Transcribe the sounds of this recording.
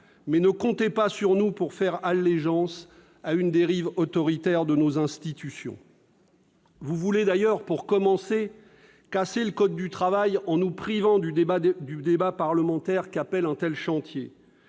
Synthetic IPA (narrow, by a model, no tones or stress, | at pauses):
mɛnəkɔ̃t̪epasyʁnupuʁfɛʁalːeʒɑ̃s | aynd̪eʁivɔt̪ɔʁit̪ɛʁd̪ənozɛ̃st̪it̪ysjɔ̰̃ | vuvuled̪ajœʁpuʁkɔmɑ̃se | kaseləkɔd̪ːyt̪χavajɑ̃nupχivɑ̃d̪yd̪yd̪ebapaʁləmɑ̃t̪ɛʁkapɛlɛ̃t̪ɛlʃɑ̃t̪je